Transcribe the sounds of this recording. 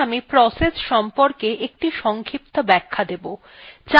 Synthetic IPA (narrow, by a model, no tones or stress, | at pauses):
amipɾɔsesʃɔmpoɾkeʔek̚ʈiʃɔŋkʰip̚t̪obɛkʰːad̪ebo | t͡ɕa